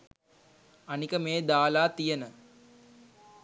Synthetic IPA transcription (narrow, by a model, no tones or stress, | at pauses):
anikəmeːd̪aːlaːt̪ijənə